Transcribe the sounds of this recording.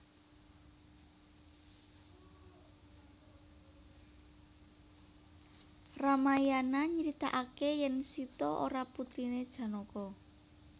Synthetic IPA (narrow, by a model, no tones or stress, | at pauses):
ramajanaɲəɾit̪a̰ʔakejɛnsit̪ɔʔo̰ɾaput̪ɾined̥ʒ̥ä̤nokɔ